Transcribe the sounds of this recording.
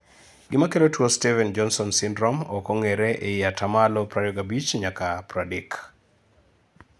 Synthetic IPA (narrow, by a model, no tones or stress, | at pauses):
ɡɪmakelotwostɛvɛnd͡ʒɔnsɔnsɪndɾɔmɔkɔŋeɾeʔeiatʰamalɔpɾadɔɡabit͡ʃɲakapɾadik